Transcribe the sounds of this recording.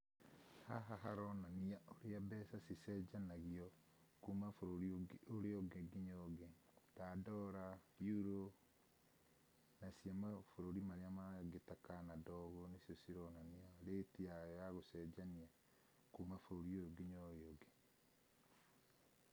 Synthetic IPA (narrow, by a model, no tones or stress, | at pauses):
haɦaɦaɾɔnaniaʔoɾeabɛsasisɛd͡ʒanaɣiɔ | kumafoɾoɾiooɾeoɡeɡiɲoɡe | tadɔɾajuɾo | nasiamafoɾoɾimaɾeamaɡetakanadɔɣonisiɔsiɾɔnaniaoɾetiajaɣosɛd͡ʒania | kumafoɾoɾioɡiɲoɾeoɡe